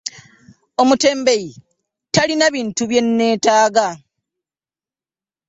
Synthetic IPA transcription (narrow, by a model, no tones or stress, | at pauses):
o̞mute̞ːmbeji | talinaβiːntuβje̞nːe̞ːtaːɡa